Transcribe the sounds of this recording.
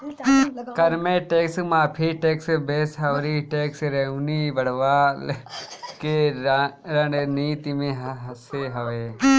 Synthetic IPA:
kɐɾmẽːʈeːksmãːpʰiʈeːksbeːsɦɐʋɾiʈeːksɾeuniːbɐɽʋaːlke | ɾɐɳniːt̪imẽɦɦɐseːɦɐʋeː

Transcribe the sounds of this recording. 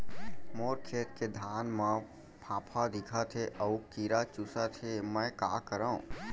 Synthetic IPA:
moːɾkʰeːt̪ked̪ʱaːnmã | pʰãːpʰad̪ɪkʰat̪ʰeʔəukiːɾat͡ʃusat̪ʰemə̃ːka̰ːkəɾəṵ̃

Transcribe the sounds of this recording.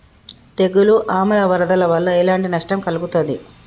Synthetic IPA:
t̪eɡuluʔaːmɐlɐʋɐɾɐd̪ɐlɐʋɐlːɐelaːɳʈinɐʂʈɐmkɐluɡut̪ond̪i

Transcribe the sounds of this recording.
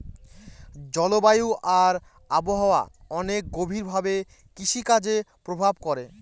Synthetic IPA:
d͡ʑɔlobajuʔaɾ | aboɦaoa̰ɔnek̚ɡobʱiɾbʱabe | kiʃikad͡ʑepɾobʱabkɔɾe

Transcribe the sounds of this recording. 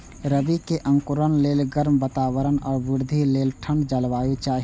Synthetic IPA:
ɾəbikeʔə̃ŋkʊɾənleːlɡəɾmbət̪aːwəɾənɔːɾʋʊɾd̪ʱileːlʈʰə̃ɳɖd͡ʒəlʋaːet͡ʃaːɦi

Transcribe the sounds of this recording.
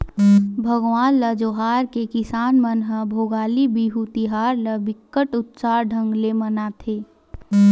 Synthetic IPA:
bʱəɡʋaːnləd͡ʒoːɦaːɾkekɪsaːnmənɦəbʱoːɡaːlibiɦut̪iɦaːɾləbɪkːəʈʊt̪saːɖʱə̃ŋɡlemənat̪ʰeː

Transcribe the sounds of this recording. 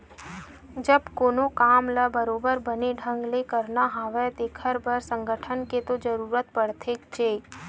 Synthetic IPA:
d͡ʒəbkoːnokaːmləbəɾoːbəɾbəneɖʱə̃ŋɡlekəɾnaɦaːʋɛt̪ekʰəɾbəɾsə̃ŋɡʱəʈʰənket̪od͡ʒəɾuːɾət̪̚pəɽt̪ʰeːkt͡ʃeː

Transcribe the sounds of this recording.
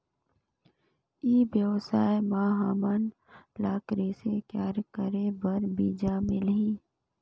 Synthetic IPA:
iːbjəwsaːemaːɦaːman | laːkɾeːsekjaːɾkəɾebəɾbiːd͡ʒaːmɪlɦiː

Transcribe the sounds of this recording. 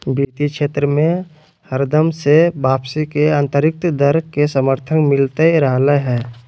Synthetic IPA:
biːt̪ikʃeːt̪ɾəmẽ | həɾd̪əmsebaːpsikeãːnt̪əɾɪk̚t̪d̪əɾkesəməɾt̪ʰənmɪlt̪eiɾəɦleɦɛː

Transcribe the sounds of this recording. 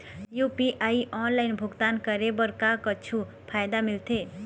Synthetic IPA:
jupiʔaiʔɔnlaɪnbʱuɡt̪ankəɾebəɾkakət͡ʃʰu | pʰajd̪amilt̪ʰe

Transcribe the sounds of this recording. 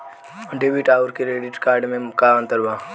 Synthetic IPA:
ɔɖeːbiʈaːʊɾkeɾeːɖɪʈkaːɾɖmẽkaə̃nt̪əɾbaː

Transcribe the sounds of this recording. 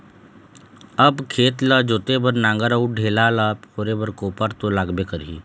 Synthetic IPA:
əbkʰeːt̪ləd͡ʒoːt̪ebəɾnãːŋɡəɾəuɖʱeːlaləpkoːɾebəɾkoːpəɾt̪olaːɡbekəɾɦḭː

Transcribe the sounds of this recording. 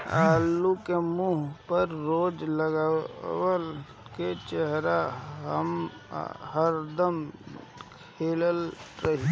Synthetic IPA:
aːlːukemuːɦpəɾːoːd͡ʒləɡawəl | ket͡ʃəɦɾaɦə̰m | ɦəɾd̪əm | kʰeːləlɾəɦi

